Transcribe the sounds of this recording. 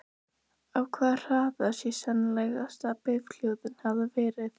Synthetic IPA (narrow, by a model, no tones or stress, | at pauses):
avkʰvaːðr̥aːðasjɛsanlɛjɣast̪apɪvkl̥jowðʏnhavavɛːɾɪθ